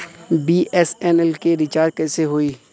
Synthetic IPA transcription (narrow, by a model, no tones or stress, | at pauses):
biːʔɛsɛːnɛlkeɾɪt͡ʃaːɾd̪̚kɛːseɦoːiː